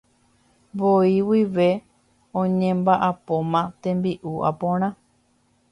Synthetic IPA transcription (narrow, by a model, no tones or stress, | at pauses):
boiwiʋe̞ | õɲẽmbaʔapõ̞mãt̪ẽ̞mbiʔuʔa̰põɾ̃ã